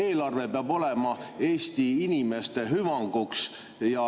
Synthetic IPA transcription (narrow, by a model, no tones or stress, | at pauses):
e̞ːlɑrve̞peɑbo̞lemɑe̞ːst̪iinʲime̞st̪e̞ɦyvɑŋɡ̥uks | jɑ